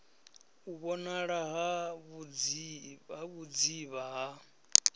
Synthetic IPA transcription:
uβɔnaɺaɦaβd͡z | aβud͡ziβaɦa

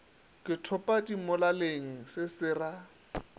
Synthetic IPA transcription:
kʼɪtʰʊpʼadimʊlaleŋ̩sɪsɪːra

